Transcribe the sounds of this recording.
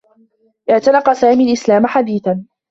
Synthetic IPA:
ʔɪʕt̪anɑqɑsaːmiːalʔɪslaːmaħad̪iːθan

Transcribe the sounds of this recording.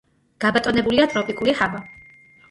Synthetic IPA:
ɡ̥abat̪ʼɔnɛbuliat̪ʼɾɔpʼikʼulihava

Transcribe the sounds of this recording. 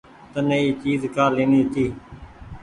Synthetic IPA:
t̪ənəiːt͡ʃiːzkaːlẽːniːt̪iː

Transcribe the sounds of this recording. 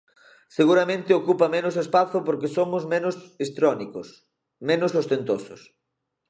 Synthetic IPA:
seɣuɾamẽnt̪ɪokupɐmenʊsespaθʊpoɾkesomʊzmenʊsest̪ɾɔnikʊs | menʊsost̪ent̪osʊs

